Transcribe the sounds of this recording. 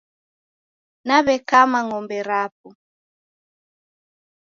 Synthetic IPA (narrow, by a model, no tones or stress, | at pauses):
naβɛkamaŋɔmbɛɾap̚u